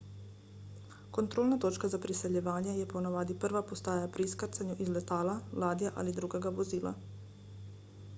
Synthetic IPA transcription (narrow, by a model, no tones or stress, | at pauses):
ko̞nt̪ɾoːlˠnat̪o̞t͡ʃkazapɾise̞ʎeʋaːɲejepo̞naʋaːd̪ipr̩ʋapo̞st̪aːjapɾiiskaɾt̪saɲuʔizle̞t̪aːlalˠaːd̪ijaʔa̰lid̪ɾuɡoɡaʋozilˠa̰